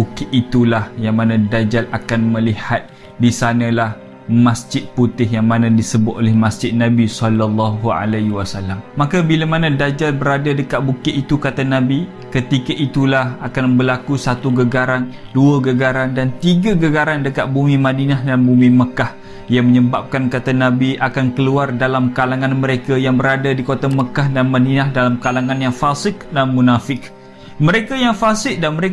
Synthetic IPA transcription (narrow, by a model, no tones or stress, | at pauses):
bukɪt̪it̪ulahjaŋmanãdad͡ʒalakanmə̃lihat̪̚ | disanə̃lah | masd͡ʒɪt̪̚put̪ɪɦjaŋmanãdisəbʊt̪̚ʔolɛhmasd͡ʒɪt̪̚nabisɔlalːaɦua̰laɦiwasalamːakabilamanãdad͡ʒalbəɾadadəkaʔ̪̚bukɪʔit̪ukat̪anabi | kət̪ikaʔit̪ulahakanbəlakusat̪uɡəɡaɾan | duəɡəɡaɾandant̪iɡaɡəɡaɾandəkaʔ̪̚bumĩmadinaɦdambumĩməkah | jaŋməɲəbap̚kankat̪anãbiʔakankəluardalamkalaŋãnməɾekajaŋbəɾadadikot̪aməkahdanmãdinahdalamkalaŋanjaŋfasɪk̚danmunafɪk | məɾekajaŋfasɪk̚danməɾe